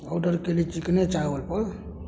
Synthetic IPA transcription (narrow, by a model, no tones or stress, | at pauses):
ɔɖəɾkelit͡ʃiknet͡ʃaʋəlpəɾ